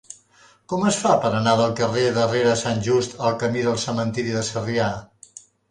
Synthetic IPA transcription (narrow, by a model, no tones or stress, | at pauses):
kɔməsfapəɾənaðəlˠkəreðəreɾəsanʲʒust̪əlˠkəmiðəlˠsəmənt̪iɾiðəsəria